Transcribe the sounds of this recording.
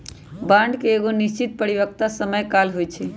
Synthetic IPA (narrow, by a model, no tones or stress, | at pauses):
bãɳɖkeeɡonist͡ʃit̪̚pəɾibək̚t̪asəməjkalɦojt͡ʃʰɛ